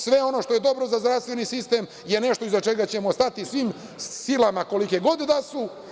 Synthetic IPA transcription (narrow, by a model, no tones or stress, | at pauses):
sʋe̞o̞no̞ʃt̪o̞je̞d̪o̞bɾo̞zazd̪ɾafst̪ʋe̞nisist̪eːm | je̞ne̞ʃt̪o̞izat͡ʃe̞ɡat͡ɕe̞most̪at̪isʋiːm | silamako̞likeɡo̞d̪id̪asu